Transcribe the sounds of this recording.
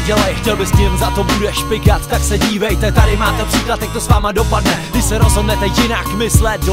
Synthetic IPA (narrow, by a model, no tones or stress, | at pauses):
ɟɛlajxcɛlbɪst̪ɪɪmzat̪o̞budɛʃpɪkat̪t̪aksɛɟiːvɛjt̪ɛt̪adɪmaːt̪ɛpr̥iːklat̪jak̚t̪osvaːmado̞padnɛvɪsɛɾozɦodnɛt̪ɛjɪnakmɪslɛt̪̚